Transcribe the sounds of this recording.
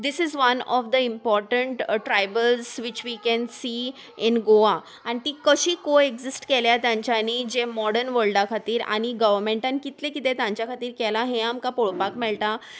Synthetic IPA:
d̪isizʋənɔfd̪əimpɔɾʈəɳʈʈɾajbəlzʋit͡ɕʋikɛ̃nsiː | inɡoa | añit̪iːkəɕiːkoeɡd͡zisʈkeljat̪jãɲt͡ɕjaniːd͡ʑemɔɽəɾnʋəɭɖakʰat̪iːɾa̰ɽ̃iɡəʋəɾmẽɳʈankit̪lẽkit̪et̪jãɲt͡ɕjakʰat̪iːɾkɛlaɦẽamkapoɭpakmɛɭʈ̪a

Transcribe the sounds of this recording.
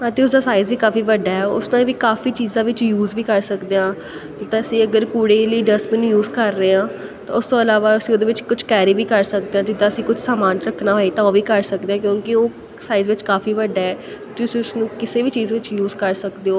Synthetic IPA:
ət̪eːʊsd̪aːsaːɪzʋiːkaːfiːʋəɖaːɦɛːʊ̰snãːʋiːkaːfiːt͡ʃiːzãːʋɪt͡ʃjuːzʋiːkəɾsəkd̪eãː | t̪ãːəsĩːəɡəɾkuːɽeːləiːɖəsmɛːnũːjuːzkəɾːəeːãːt̪ã̰ːʊst̪õːəlaːʋaːəsĩːoːd̪eːʋɪt͡ʃkʊt͡ʃʰkɛːɾiːʋiːkəɾsəkd̪eːãːd͡ʒɪd̪ːãːəsĩːkʊt͡ʃʰsaːmaːnɾəkʰnaːɦoeːt̪ãːoːʋiːkəɾsəkd̪eãːkjõːkɪoː | saːɪzʋɪt͡ʃkaːfiːʋəɖaːɦɛː | t̪ʊsĩːʊsnũːkɪseːʋiːt͡ʃiːzãːʋɪt͡ʃjuːzkəɾsəkd̪eːoː

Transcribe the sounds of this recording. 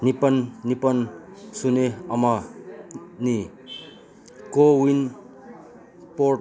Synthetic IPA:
nipʌnnipʌnsuneʌmʌ | ni | kowin | po

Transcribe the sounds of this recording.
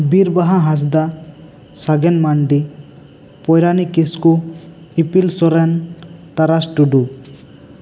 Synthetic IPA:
biɾbaɦãɦãs̬d̪a | saɡɛnmaɳɖi | pɔjɾanikisku | ipilsɔɾɛnt̪aɾasʈuɖu

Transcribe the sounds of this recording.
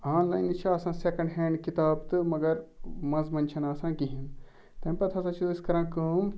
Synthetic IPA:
aːnlaːjnt͡ʃʰiaːsãːsekɐ̃ɳɖɦẽːɳɖkit̪aːbt̪ɨmɐɡɐɾmɐnzmɐnt͡ʃʰɐnaːsãːkiɦĩn | t̪ɐmpɐt̪ʰɐsat͡ʃʰuiskɐɾãːkɐːm

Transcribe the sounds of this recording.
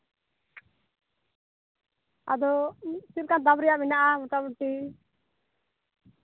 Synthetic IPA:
a̰d̪ɔsiɾkad̪abɾijaʔminaʔamut̪abuʈi

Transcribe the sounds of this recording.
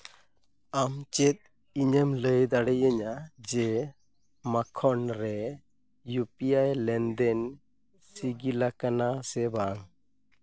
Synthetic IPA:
amt͡ʃɛt̪̚ | iɲəmləjd̪aɽɛjəɲad͡ʒɛ | makʰɔnɾɛ | jupiajlɛnd̪ɛn | siɡilakanasɛbaŋ

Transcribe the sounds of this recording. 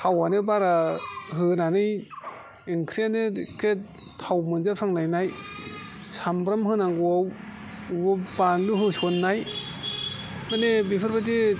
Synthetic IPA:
awanɯbaɾaɦɯnanɯj | iŋkʰɾianɯkʰe | tʰawmɯnzapʰɾaŋlajnaj | sambɾamhɯnaŋɡuaw | bɯbanluɦɯsɔnːaj | mɯnebipʰɯɾbadi

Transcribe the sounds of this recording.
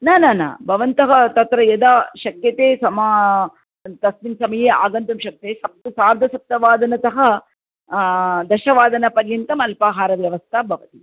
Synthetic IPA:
naːnaːna̰ːbʱɐʋɐnt̪ɐɦɐt̪ɐt̪ɾɐjɐd̪aːʃɐkjɐt̪eːsɐmaː | t̪ɐsminsɐmɐjeːa̰ːɡɐnt̪ɐmʃɐk̚t̪eːsɐp̚t̪saːɾd̪ʱɐsɐp̚t̪ɐʋaːd̪ɐnɐt̪ɐɦɐ | d̪ɐʃɐʋaːd̪ɐnɐpɐɾjɐnt̪ɐmɐlpaːɦaːɾɐʋjɐʋɐst̪ʰaːbʱɐʋɐt̪i

